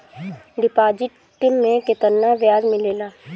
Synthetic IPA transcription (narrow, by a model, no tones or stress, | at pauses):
ɖɪpaːd͡ʒɪʈ | ʈɪmːẽkɪt̪ənːaʋjaːzmɪleːlaː